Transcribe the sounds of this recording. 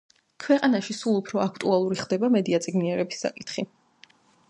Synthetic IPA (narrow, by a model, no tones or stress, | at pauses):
kʰwɛqʼanaʃisulˠupʰɾɔakʰt̪ʼualˠuɾiχd̪ɛbamɛd̪iat̪sʼiɡniɛɾɛbisːa̰kʼit̪ʰχi